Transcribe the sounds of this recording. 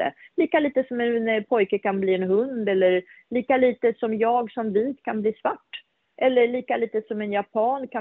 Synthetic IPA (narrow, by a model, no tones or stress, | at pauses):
ə̰liːkaliːt̪əsɔmɛnpʰɔjkəkʰanbliːɛnɦɵnd̪ɛlːəɾliːkaliːt̪əsɔmjɑːɡsɔmviːt̪kʰanbliːsvaʈː | ʔɛlːəɭiːkaliːt̪əsɔmɛnjapʰɑːnkʰa